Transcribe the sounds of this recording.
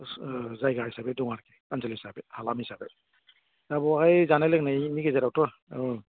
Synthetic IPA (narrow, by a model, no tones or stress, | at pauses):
zajɡaɹhisabɛdɔŋaɾkɛkansalhisabɛhalamhisabɛ | abɔakajzanalɛk̚najmiɡɛzaɾawtɔ